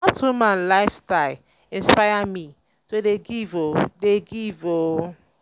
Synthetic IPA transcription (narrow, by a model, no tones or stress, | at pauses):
atumãnlaɪfstaɪl | ĩnspaɪami | todeɡivodeɡivo